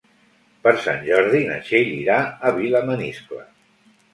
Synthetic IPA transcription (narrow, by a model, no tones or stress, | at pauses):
pəɾsa̰nʒɔɾðinə̰ʃeʎiɾaəβiləmənisklə̰